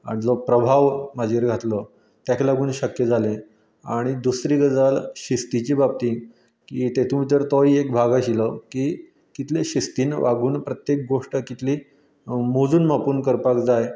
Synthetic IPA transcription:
a̰ɽ̃id͡zopɾəbʱaʋmad͡ʑʱeɾɡʱat̪lə | t̪jakʰlaɡuːnɕəkjəd͡zalẽ | aɽ̃id̪usɾiɡəd͡zalɕist̪it͡ɕiːbab̚t̪iː | kiːt̪et̪ʰũmiːt̪əɾt̪oiekbʱaɡaɕiləki | kit̪ʰleɕist̪iːnʋʔaɡuːnpɾət̪jek̚ɡoʂʈəkit̪ʰli | mod͡zuːnmapuːnkəɾpakd͡zaj

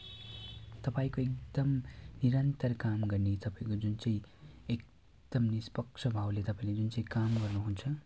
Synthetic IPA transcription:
t̪ʌpaĩkoekd̪̥ʌmniɾʌnt̪ʌrkamɡʌrnet̪ʌpaĩkod͡zunt͡sʌ̃ĩek̚ | d̪̥ʌmnispʌkʂʰʌbʱawlet̪ʌpãĩled͡zunt͡sʌ̃ĩkamɡʌrnuɦunt͡sʰʌ

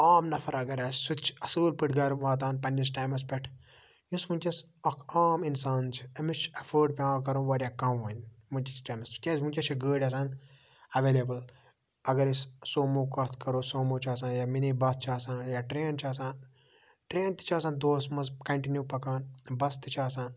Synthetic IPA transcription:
aːmnɐfʰɐɾɐɡɐɾɐssut͡ʃʰɐsɨːlpɨʈʰɡɐɾʋaːt̪̬aːnpɐnd͡ʒisʈaːjmɐspʲɛʈʰ | jusmunʲt͡ʃɐs | ɐkʰaːminsaːnt͡ʃʰi̥ɐmit͡ʃɐfəːɖpʲãːkɐɾõːʋɐːɾʲjaːkɐmʋɐnʲ | munʲt͡ʃisʈaːjmɐskʲesmũnt͡ʃɐt͡ʃʰiɡəːɽʲɐs̬aːn | ɐʋeːleːbɨl | ɐɡɐɾissoːmuːkɐt̪ʰkɐɾoːsoːmuːt͡ʃʰaːs̬ãːnjaminiːbɐst͡ʃʰaːsãːnjaʈɾeːnt͡ʃʰaːs̬ãːn | ʈɾeːnt̪i̥t͡ʃʰaːsaːnd̪oːsmɐzkɐɳʈinjuːpɐkaːnbɐst̪it͡ʃʰaːsãːn

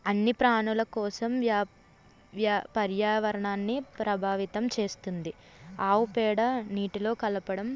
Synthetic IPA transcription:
ɐnːipɾaːɳulɐkɔːsɐmʋjaː | ʋjaːpɐɾjaːʋɐɾɐɳaːnːipɾɐbʱaːʋit̪ɐmt͡ʃe̞ːst̪und̪i | aːwupɛːɽɐniːʈilo̞ːkɐlɐpɐɽɐm

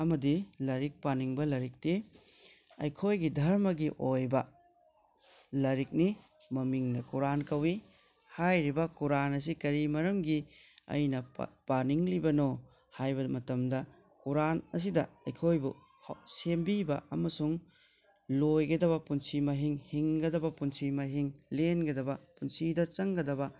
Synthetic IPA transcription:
ɐmɐdilɐɾik̚paniŋbɐlɐɾik̚te | ɐ̰jkʰojɡidʱɐɾmɐɡiʔojbɐ | lɐɾik̚ni | mɐmiŋnɐkuɾankɐwi | hajɾibɐkuɾanɐs̬ikɐɾimɐɾɐmɡiɐ̰jnɐpaniŋlibɐno | hajbɐmɐtɐmdɐ | kuɾanɐs̬idɐɐjkʰojbu | hsembibɐ̰ʔɐmɐsuŋ | lojɡɐdɐβɐpunsimɐɦiŋhiŋɡɐdɐbɐpunsimɐɦiŋlenɡɐdɐbɐpunsidɐt͡ʃɐŋɡɐdɐbɐ

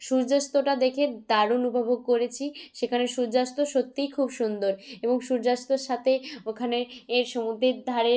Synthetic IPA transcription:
ʃuɾd͡ʑast̪oʈad̪ekʰed̪aɾunupabʱok̚kːoɾet͡ɕʰiʃekʰaneʃuɾd͡ʑast̪oʃot̪ːijkʰubʃund̪oɾeboŋʃuɾd͡ʑast̪oɾʃat̪ʰeokʰaneeɾʃomud̪ʱːiɾd̪ʱaɾe

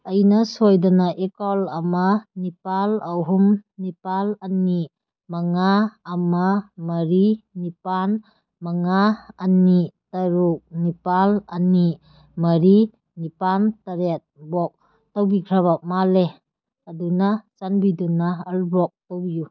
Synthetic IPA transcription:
ajnasojdanaʔekɔlamanipalawɦumnipalɐni | maŋaːmamɐɾinipan | maŋaːnitaɾuk̚nipalɐni | mɐɾi | nipantaɾet̚bɔk̚ | tawbikʰɾaβak̚male | adunat͡ʃanbidunaːlbɔk̚tawbiju

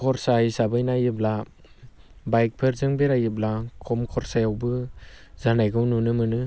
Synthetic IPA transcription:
kʰɔɾsajsabɯjnajɯbla | bajk̚pʰɯɾzɯŋbeɾajɯblakʰɔmkʰɔɾsajawbɯzanajɡɯwnunɯmɯnɯ

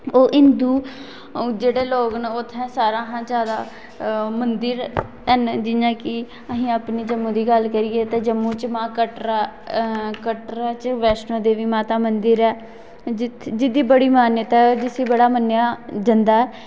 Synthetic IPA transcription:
oːʔɪnd̪uː | d͡ʒeːɽeːloːɡnot̪ʰːɛ̃ːsaːɾãːɦãːd͡ʒjaːd̪aː | mənd̪əɾ | ɦənd͡ʒɪjãːkɪ | əɦĩːapniːd͡ʒəmːũːd̪iːɡəlkəɾiːeːt̪eːd͡ʒəmːũːt͡ʃmãːkəʈɾa | kəʈɾaːt͡ʃʋɛːsnõːd̪eːʋiːmãːt̪aːmənd̪əɾɛː | d͡ʒɪt̪ʰd͡ʒɪd̪iːbəɽiːmaːnjət̪ɛːd͡ʒɪsiːbəɽaːmənjaːd͡ʒənd̪aːɛː

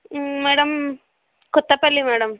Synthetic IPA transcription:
meːɽɐm | kut̪ːɐpːɐlːimeːɽɐm

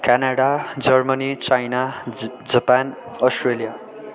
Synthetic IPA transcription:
kanaɽad͡zʌrmʌnit͡sajna | d͡zʌpan | ʌsʈrelija

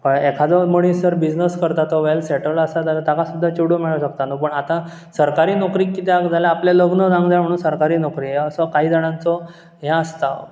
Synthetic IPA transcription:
pəɳekʰad͡zɔməɽ̃isəɾbid͡znəskəɾt̪at̪ɔʋelseʈəlasat̪alat̪jakasud̪ʱːat͡ɕuɽomiɭaɕək̚t̪anəpəɳat̪ã | səɾkaɾiːnokɾiːkːit̪eakd͡zʱalaaplaləɡnəd͡zãŋɡd͡zam̤əɽ̃uːnsəɾkaɾiːnokɾiːəsɔkaɦiːd͡zaɽ̃ãnt͡sɔ | ɦjãəst̪a

